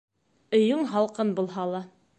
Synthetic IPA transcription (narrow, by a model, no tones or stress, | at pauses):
ɵ̆jɵŋɦɑlˠqɤnbulˠɦɑlˠɑ